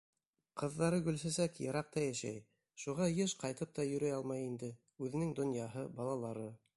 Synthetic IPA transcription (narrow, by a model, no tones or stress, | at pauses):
qʰɤ̆ðːɑɾɤɡɵ̆lsæsækjɤ̆ɾɑq̚t̪ɑjæʃæ̰j | ʃuʁɑjɤʃqɑjt̪ɤp̚t̪ɑjɵ̆ɾæjɑlˠmɑjind̪ɘ | ʉðɘ̆nɘŋd̪ŏnjɑɦɤbɑlˠɑlˠɑɾɤ